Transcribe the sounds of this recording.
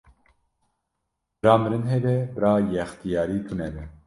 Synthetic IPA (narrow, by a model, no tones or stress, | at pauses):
b̥ɨɾɑːmɨɾɨnɦɛbɛbɨɾɑːjɛxt̪ijɑːɾiːt̪ʰunɛbɛ